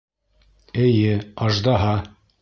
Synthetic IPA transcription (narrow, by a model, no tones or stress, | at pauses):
ɘ̆jɘɑʒd̪ɑɦɑ